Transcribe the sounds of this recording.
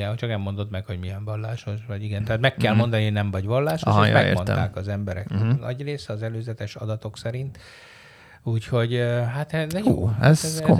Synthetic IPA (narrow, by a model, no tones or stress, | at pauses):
ɛɦot͡ʃɒknɛmːo̞nd̪o̞t̪mɛkho̞ɟmiɛɱvɒlːaːʃo̞ʃʋɒɟiɡɛnt̪ɛɦaːt̪mɛkːɛlmo̞nd̪ɒnihonɛɱvɒɟʋɒlːaːʃoʃʃj̰mɛḛmont̪a̰ːkɒzɛmbɛɾɛ̰k̪nʔɒ̰ɟreːsɛɒzɛløːzɛt̪ɛʃɒ̰d̪ɒt̪o̞ksɛɾint̪ | uːcho̞ɟɦat̪ɛṵːɛzɛzko